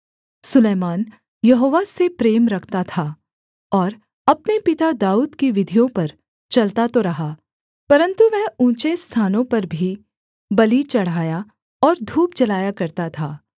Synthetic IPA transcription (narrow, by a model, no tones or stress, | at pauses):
sʊleːmaːn | jɐɦoːʋasepɾeːmɾɐkʰt̪at̪ʰa | ɔːɾ | ɐpnepɪt̪ad̪aːuːd̪kiʋɪd̪ʱijõpɐɾ | t͡ʃɐlt̪at̪oɾɐɦaː | pɐɾə̃nt̪uʋɛɦũːt͡ʃest̪ʰaːnõpɐɾbʱi | bɐlit͡ʃɐɽ̤aːja | ɔːɾd̪ʱuːp̚t͡ʃɐlaːjakɐɾt̪at̪ʰaː